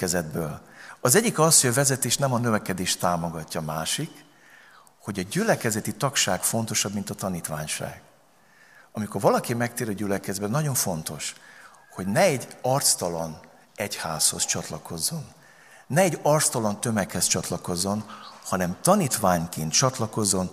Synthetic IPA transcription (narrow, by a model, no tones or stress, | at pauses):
kɛzɛd̪̚bøːlɒzɛɟːikɒshoɟɒvɛzɛt̪eːʃnɛmɒnø̞vɛkɛd̪eːʃt̪aːmo̞ɡɒcːɒːmaːʃik | ho̞ɟɒɟylɛkɛzɛt̪it̪ɒkʃaːɡfo̞nt̪o̞ʃɒbmint̪ɒt̪ɒniːt̪ʋaːɲʃa̰ːɡ̥ | ɒmiko̞rvɒlɒkimɛk̚t̪eːɾɒɟylɛkɛzbɛnɒɟo̞ɱfo̞nt̪o̞ʃho̞ɟnɛɛɟːɒrt̪st̪ɒlɒn | ɛchaːsho̞̰st͡ʃɒt̪lɒko̞zːo̞nː | ɛɛɟːɒrt̪st̪ɒlɒnt̪ø̞mɛkhɛst͡ʃɒt̪lɒko̞zːo̞nhɒnɛmt̪ɒniːt̪ʋaːɲkeːnt̪t͡ʃɒt̪lɒko̞zːo̞n